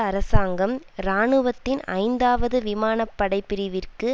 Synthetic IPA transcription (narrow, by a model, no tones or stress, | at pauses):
ɐɾɐsaːŋɡɐm | ɾaːɳɯʋɐt̪ːɪnɐ̰ɪnd̪aːʋɐðɯʋɪmaːnɐpːɐɽɐɪpːɪɾɪʋɪrkɯ